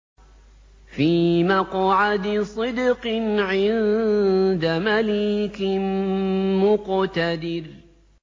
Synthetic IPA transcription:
fiːmaqʕad̪sˤɨd̪qɨnʕɪn | d̪amalɪkɪmmʊqt̪ad̪ɪɾ

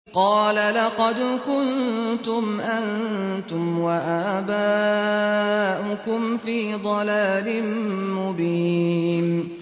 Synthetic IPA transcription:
qɑːlalɑqɑd̪kʊnt̪ʊmʔant̪ʊmwaʔaːbaː | ʔʊkʊmfiːd̪ˤɑlaːlɪmmʊbiːn

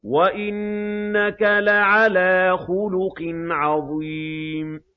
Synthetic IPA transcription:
waʔɪnːakalaʕalaːxʊlʊqnʕɑðˤiːm

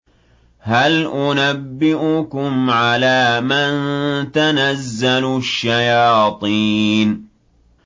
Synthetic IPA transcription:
halʔʊnabːɪʔʊkʊmʕalaːmant̪anazːalʊʃːajɑːt̪ˤiːn

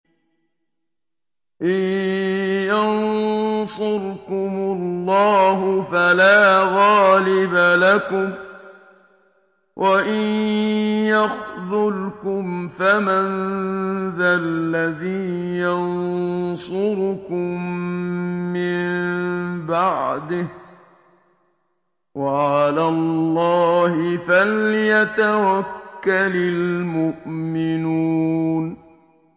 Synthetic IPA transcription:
ʔɪn | jɑnsʊɾkʊmʊlːɑːɦʊfalaːɣɑːlɪbalakʊm | wʔaʔɪn | jɑxðʊlkʊmfaman | ðalːaðiːjɑnsʊɾʊkʊmː | ɪmbaʕd̪ɪh | waʕalaːlːɑːhɪfaljat̪awakːalɪlmʊʔmɪnuːn

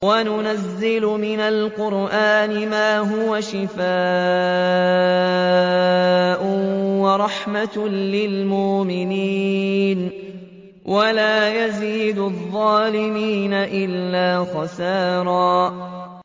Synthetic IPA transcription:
wanʊnazːɪlʊmɪnalqʊɾʔaːnɪmaːɦʊwaʃɪfaː | ʔʊwɑɾˤɑħmalɪlmʊmɪniːn | walaːjaziːd̪ʊðˤːɑːlɪmiːnaʔɪlːaːxɑsaːɾˤɑː

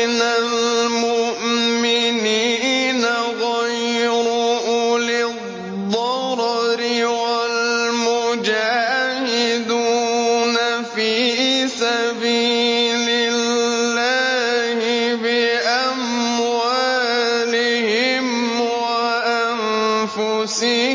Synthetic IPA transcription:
nalmʊʔmɪniːnaɣajɾʊlɪ | dd̪ːɑɾɾɪwalmʊd͡ʒaːhɪd̪una | fiːsabiːlɪː | aː | hɪ | bɪʔam | waː | lɪ | hɪ | m | wa | ʔa | n | fʊsɪ

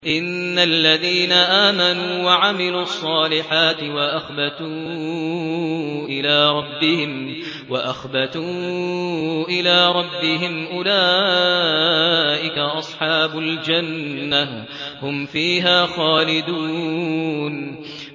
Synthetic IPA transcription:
ʔɪnːalːaðiːnaʔaːmanuːwaʕamɪluːʔɑsˤːɑːlɪħaːt̪ɪwaʔaxbat̪uː | ʔɪlaːɾˤɑbːɪhɪm | waʔaxbat̪uː | ʔɪlaːɾˤɑbːɪɦɪmʔʊlaː | ʔɪkaʔɑsˤħɑːbʊld͡ʒanːa | hʊmfiːɦaːxaːlɪd̪uː | n

